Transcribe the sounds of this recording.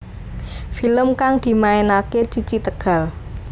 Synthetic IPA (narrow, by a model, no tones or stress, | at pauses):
filəmkaŋd̪̥i̤maenaket͡ʃit͡ʃit̪əɡ̥ä̤l